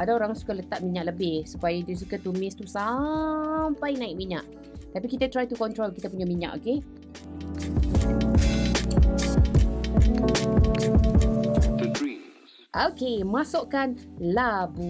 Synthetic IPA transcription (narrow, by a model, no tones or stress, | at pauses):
adaoɾaŋsu̥kalət̪aʔ̚miɲaʔləbɪhsupajadiəs̬ukat̪umɪst̪usa | mpajnãɪk̚miɲa̰ʔ | t̪apikit̪at̪ɾajt̪ukɔnt̪ɾolkit̪apuɲamiɲa̰ʔo̰ke | i | ʔokemasoʔkanlabu